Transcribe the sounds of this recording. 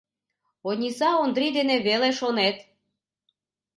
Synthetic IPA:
onʲisɑond̪ɾid̪eneβeleʃonet̪

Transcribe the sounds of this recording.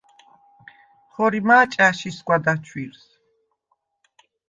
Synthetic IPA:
χɔɾimaːt͡ʃʼaʃiskʷʼwad̪at͡ʃʰwiɾs

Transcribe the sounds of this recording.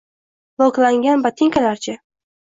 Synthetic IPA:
bɒklˠaŋɡʲanbat̪ʰeŋkʰʲalaɾt͡ʃʰa

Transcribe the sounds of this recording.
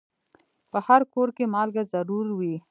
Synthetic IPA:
pəhaɾkoɾkemɑlɡazaɾuɾwi

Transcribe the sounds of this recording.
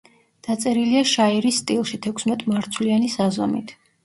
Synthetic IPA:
d̪̥at̪sʼɛɾiliaʃaiɾist̪ʼilˠʃit̪ʰɛkʷʰsmɛt̪ʼmaɾt̪sʰwlianisazɔmit̪ʰ

